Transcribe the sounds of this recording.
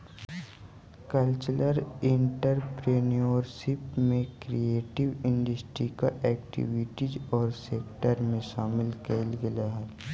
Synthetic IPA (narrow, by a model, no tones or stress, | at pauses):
kəlt͡ʃləɾɪ̃ɳʈəɾpɾeːnioːɾʃɪpmẽkɾieːʈɪʋɪ̃ɳɖəsʈɾikaʔɛːk̚ʈḭʋɪʈizɔːɾseːkʈəɾmẽʃaːmɪlkelɡɪlaɦɛ